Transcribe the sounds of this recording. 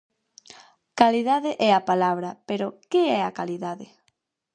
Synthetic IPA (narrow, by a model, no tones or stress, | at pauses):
kaliðaðɪʔɛapalaβɾɐpeɾokɪɛakaliðaðɪ